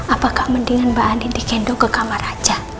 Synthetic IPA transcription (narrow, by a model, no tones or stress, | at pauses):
apakahməndiŋanbaʔanidikɛndɔkəkamarad͡ʒa